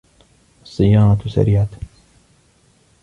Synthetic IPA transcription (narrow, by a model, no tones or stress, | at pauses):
sˤɨjaːnt̪usɐ̰ɾjaːt̪